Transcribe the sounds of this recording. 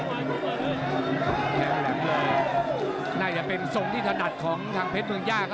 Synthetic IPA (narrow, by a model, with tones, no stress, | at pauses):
p̪ʰɛː˧m˧˩lɛ˩˦ŋlɤː˧˥˩ | naː˥˩t͡ɕa˨˩pe˧nso˧˩ŋt̪ʰiː˥˩t̪ʰa˧na˨˩t̪̚kʰɔː˩˦ŋt̪ʰaː˧ŋpʰe˦˥t̪̚mɯ˧əŋjaː˥˩kʰ